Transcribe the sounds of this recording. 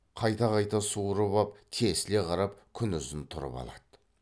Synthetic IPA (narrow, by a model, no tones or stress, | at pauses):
qʰɑjt̪ɑqɑjt̪ɑsuɾəbɑpt̪ʰe̞sɪle̞qʰɑɾɑpkʲʰʏnʏzɪnt̪ʰʊɾə̰pɑ̰lˠɑ̰d̪̥ə̥